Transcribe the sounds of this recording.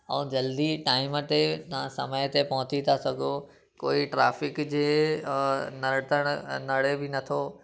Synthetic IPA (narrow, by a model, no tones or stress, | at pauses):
ɛ̃ːd͡ʑɐld̪iʈaːɪmt̪et̪ɐʋ̤ãsɐ̰məjt̪epɐɦʊ̃t͡ɕit̪ʰasɐɡʱo | koːiʈɾaːfɪkd͡ʑeː | nɐɾʈ̪əɽ̃nɐɽ̤ebɪnɐt̪ʰoː